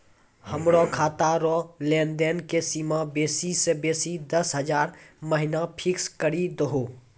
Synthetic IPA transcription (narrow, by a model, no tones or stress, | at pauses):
həmɾɔkʰaːt̪aɾɔleːnd̪enkesiːmabeːsisebeːsid̪əsɦəd͡ʒaːɾməɦɪnapʰɪkskəɾid̪əɦoː